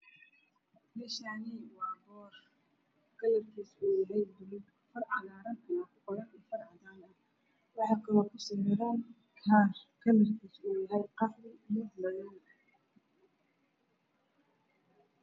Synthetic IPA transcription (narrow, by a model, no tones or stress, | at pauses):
bɪʃaːniwɑːbɔːr | kʰɐlɐrkʰiːsuːjɐɦɛjd̪ʊlɪɡ̪ | fɐrʕɑðaːɾɐŋk̪ʰɐlɐkʰʊqɔɾɐnɛːfɐrʕɑðaːnɐ | wɑħɑːkʰɐlɔːkʰʊsɐmɛɾaːn | kʰaːrkʰɐlɐrkʰiːsuːjɐɦɛjqɑflɪmɪd̪lɐjan